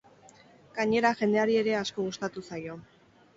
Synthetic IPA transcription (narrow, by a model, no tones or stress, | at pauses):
ɡ̥aɲe̞ɾaʝe̞nd̪e̞aɾie̞ɾe̞asko̞ɣust̪at̪usajo̞